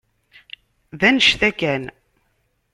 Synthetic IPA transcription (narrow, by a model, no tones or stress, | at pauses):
ðænəʃθækæn